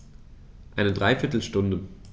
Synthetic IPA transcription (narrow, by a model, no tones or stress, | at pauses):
ʔaɪnədʁaɪfɪɐtl̩ʃtʊndə